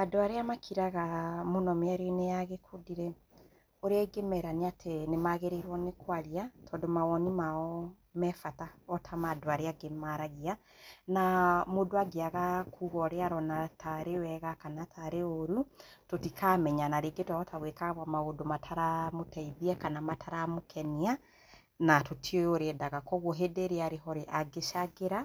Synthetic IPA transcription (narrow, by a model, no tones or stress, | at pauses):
madoaɾeamakʰiɾaɣamonɔmeaɾenejaɣekʰodiɾɛ | oɾeaiɡemɛɾaneatʰenemaɣeɾeɾwɔnekwaɾiatʰɔːndomawɔnimaɔ | mɛfataɔtʰamadoaɾeaɡemaɾaɣia | namodoaɡeaɣakʰuɣɔɾeaɾɔnatʰaɾewɛɣakanatʰaɾeoɾutotikamɛɲanaɾeɡetwaɔtʰaɣwekaβamaodomatʰaɾamotaiðiɛkanamatʰaɾamokʰɛnia | natotʰieoɾedaɣakɔɣoɦedeɾeaɾeɦɔɾeʔaɡeʃaɡeɾa